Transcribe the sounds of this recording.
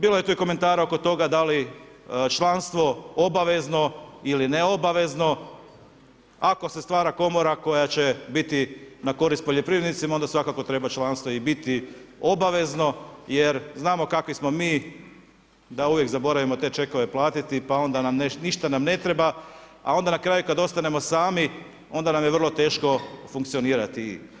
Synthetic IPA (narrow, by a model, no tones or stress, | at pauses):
biːlo̞je̞t̪uːiko̞me̞nt̪aːɾao̞ko̞t̪o̞ɡad̪ali | t͡ʃlanst̪ʋo̞o̞baʋe̞zno̞iline̞o̞baʋe̞zno̞ | ako̞se̞st̪ʋaːɾako̞mo̞ɾako̞jat͡ɕe̞bit̪inako̞ɾist̪po̞ʎo̞pɾiʋɾed̪nit̪simao̞nd̪asʋakako̞t̪ɾe̞bat͡ʃlˠanst̪ʋo̞ibit̪io̞baʋe̞zno̞jeɾznaːmo̞kakʋismo̞miː | d̪auʋje̞kzabo̞ɾaʋimo̞t̪e̞ːt͡ʃe̞ko̞ʋe̞plˠaːt̪it̪ipao̞nd̪anamneniʃt̪anamne̞t̪ɾe̞ba | a̰o̞nd̪anakɾaːjukad̪o̞st̪ane̞mo̞saːmi | o̞nd̪anamjeʋr̩lˠo̞t̪e̞ːʃko̞fuŋkt̪sio̞niːɾat̪i